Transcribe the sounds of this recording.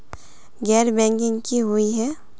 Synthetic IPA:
ɡɛːɾbɛ̃ːŋkɪ̃ŋɡkiɦʊiɦɛː

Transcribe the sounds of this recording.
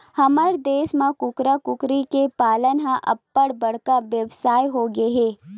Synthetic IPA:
hɐməɾd̪eːsmãkʊkɾakʊkɾikepaːlənɦãʔɐ̰pːəɽbɐɽ̤kaʋjəʋsaːjɦoɡeɦeː

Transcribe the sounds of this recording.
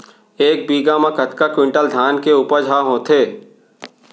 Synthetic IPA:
eːk̚biːɡamãkɐt̪kakwɪ̃ɳʈəld̪ʱjaːnkeuːpəɾd͡ʒʱaɦõːt̪ʰeː

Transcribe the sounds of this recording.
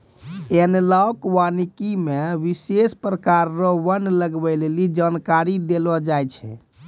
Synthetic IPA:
enlaokʋanikimeʋisespɾəkaɾːɔʋənləɡbɛlelid͡ʒankaɾid̪elɔd͡ʒajt͡ʃʰɛ̰

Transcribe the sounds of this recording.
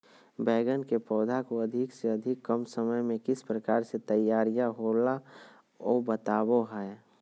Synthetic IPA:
bɛːɡənkepɔːd̪ʱakoəd̪ʱɪkseɐd̪ʱɪkːəmsəməjmẽkɪspɾəkaːɾset̪əjːaːɾijaɦoːla | ɔːbət̪aːwoɦɛ

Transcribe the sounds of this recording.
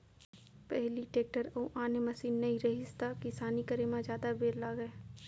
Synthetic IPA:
pɛɦliʈeːk̚ʈəɾɐũʔaːnemɐsiːnːɐɦĩɾɐɦɪst̪akɪsaːnikɐɾemãd͡ʒjaːd̪abeːɾlaɡɐe

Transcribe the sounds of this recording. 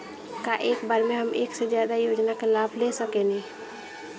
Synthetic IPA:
kaʔeːkbaːɾmẽɦəmʔḛːksed͡ʒjaːd̪ajoːd͡ʒnakelaːbʱlesəkeni

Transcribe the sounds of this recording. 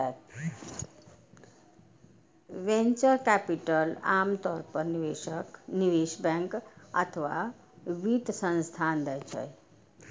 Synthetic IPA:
ʋẽɲt͡ʃəɾkæpiʈəlamt̪ɔɾpəɾniʋeəkniʋeʃbɛ̃ŋkə̰t̪ʰəʋa̰ | ʋiʈsə̃nst̪ʰand̪ət͡ɕʰə̰j

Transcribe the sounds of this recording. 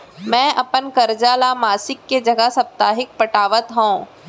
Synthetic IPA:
mɛ̃ːʔɐpənkɐɾd͡ʒaːlamaːsɪkːed͡ʒɐɡəsɐp̚t̪aːɦɪk̚pɐʈaːʋət̪ɦõː

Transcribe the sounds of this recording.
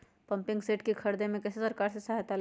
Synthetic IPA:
pɐ̃mpɪ̃ŋɡseːʈkikʰɐɾd̪emẽkɐsesɐɾkaːɾsesaɦt̪al

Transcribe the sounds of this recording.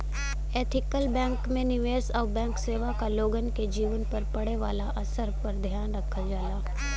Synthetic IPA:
eːt̪ʰɪkəlbɛ̃ːŋkmẽnɪʋeːsɔːʋbɛ̃ːŋkseːʋakaloːɡənked͡ʒiːʋənpɐɾpɐɽeʋa̰ːlaʔɐsəɾpɐɾd̪ʱjaːnɾɐkʰad͡ʒaːlaː

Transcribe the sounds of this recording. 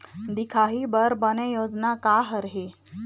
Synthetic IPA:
d̪ikʰaɦiːbəɾbənejod͡znakaɦəɾɦe

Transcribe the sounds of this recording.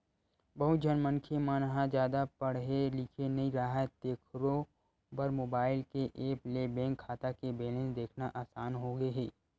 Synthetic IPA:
bɐɦʊt̪d͡ʒɐnmənkʰemaːnɦãd͡ʒjaːd̪apɐɽ̤ɦelikʰenɐɦĩɾaɦat̪eːkʰɾõ | bɐɾmoːbaːɪlkeʔeːplebɛ̃ːŋkʰːaːt̪akebeːlẽːnsd̪eːkʰnaʔaːsaːnɦoɡɐeɦeː

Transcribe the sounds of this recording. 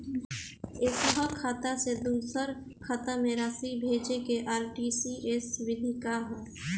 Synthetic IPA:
ekɦəkʰːaːt̪ased̪uːsəɾ | kʰaːt̪amẽɾaːsibʱeːd͡ʒekeʔaːɾʈiːsiʔeswɪd̪ʱikaɦɛ̃ː

